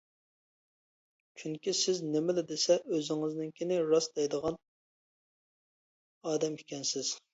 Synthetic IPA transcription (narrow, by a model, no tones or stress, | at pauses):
t͡ʃʰyŋkʲisɪznɪmɪlɪd̪esɛʔøzɪŋɪznɪnkʲʰenɪɾɑsd̪ɛjd̪əʁɑn | ɑːd̪ɛmikʲʰɛnsɪz̥